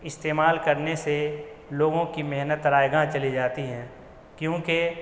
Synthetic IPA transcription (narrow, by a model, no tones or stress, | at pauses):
ɪst̪eːmaːlkɐɾnese | loːɡõkimɛɦnət̪ɾaːjɡãt͡ʃɐlid͡ʒaːt̪iɦɛ̃ː | kjõːke